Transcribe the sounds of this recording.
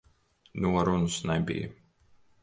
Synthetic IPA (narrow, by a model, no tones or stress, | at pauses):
nuɔɾunusnɛbḭjə̰